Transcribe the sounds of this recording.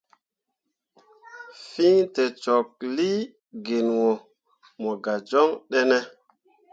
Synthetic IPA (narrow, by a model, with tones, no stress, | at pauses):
fi˦ŋtɛ˨t͡ʃɔ˨k̚li˦ | ɡe˨nwɔ˨ | mɔ˨ɡa˨d͡ʒɔ˦ŋɗɛ˦nɛ˦